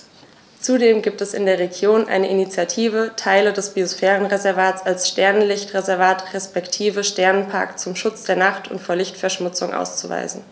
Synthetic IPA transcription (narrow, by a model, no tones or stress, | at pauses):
t͡sudeːmɡiːp̚tɛsɪ̰ndeːɐʁ̞eɡjoːnʔa̰ɪnəʔinit͡sjatʰiːvətʰaɪlədɛsb̥iosfɛːʁ̞ənʁezɛɐvaːtsalsʃtɛɐnənlɪçtʁezɛɐvaːtʁɛspɛktʰiːvəʃtɛɐnənpʰa̰ɐkt͡sʊmʃʊt͡sd̥eːɐnaχtʊ̰ntfoːɐlɪçtfɛɐʃmʊt͡sʊŋʔa̰ʊst͡suva̰ɪzn̩